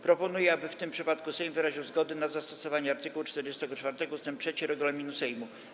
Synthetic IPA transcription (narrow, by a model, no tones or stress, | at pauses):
pɾɔpɔnujɛabɘft̪ɘmpʂɘpat̪kusɛjmvɘɾaʑiwzɡɔd̪ɛnad̪zast̪ɔsɔvaɲɛaɾt̪ɨkuwut͡ʂt̪ɛɾd͡ʑɛst̪ɛɡɔt͡ʂfaɾt̪ɛɡɔust̪ɛmp̚tʂɛt͡ɕiɾɛɡulɔmʲinusɛjmu